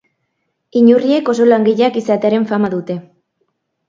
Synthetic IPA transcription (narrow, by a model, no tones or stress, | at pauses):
iɲurie̞ko̞so̞laŋɡiʎakisat̪e̞aɾe̞ɱfamaðut̪e̞